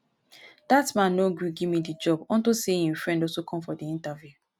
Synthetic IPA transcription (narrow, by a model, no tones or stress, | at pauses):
d̥atmãnːoɡɹuɡivmidid͡ʒɔbɔ̃ntusehĩmfɹɛ̃ndɔsokʰɔ̃mfɔdiĩntavju